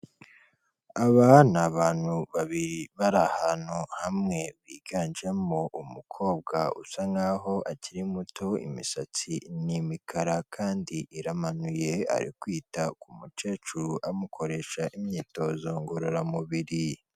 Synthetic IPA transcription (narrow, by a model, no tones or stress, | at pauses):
aβanaβaːn̥huβaβiɾiβaɾahan̥huhamŋe̞βiːɡaːnd͡ʒe̞moʔumukʰo̞ːb̚ɡaṵsaŋɡaːɦo̞ʔaciɾimuto̞ḭmisat͡sinimikʰaɾakʰaːndiʔiɾamanuje̞a̰ɾḭkwiːtakumut͡ʃe̞ːt͡ʃuɾuʔamukʰo̞ɾe̞ʃaʔimɲiːto̞ːzoŋɡoɾoɾamuβiɾi